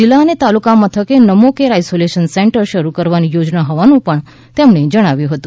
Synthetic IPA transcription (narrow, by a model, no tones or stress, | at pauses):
d͡ʒilːaənet̪alukamət̪ʰəkenəmokeɾajsoleʃənsẽɳʈəɾʃəɾukəɾʋanijod͡ʒnaɦoʋanũpəɳ | t̪emɳed͡ʒəɽ̃aʋjũɦət̪ũ